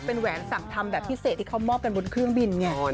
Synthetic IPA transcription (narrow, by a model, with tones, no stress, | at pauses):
pe˧nwɛː˩˦nsa˨˩ŋt̪ʰa˧mbɛː˨˩p̚pʰi˦˥se˨˩t̪ʰːi˥kʰa˦˥wmɔː˥˩p̚ka˧nbo˧nkʰɾɯ˥˩əŋbi˧nŋɛ˧˥˩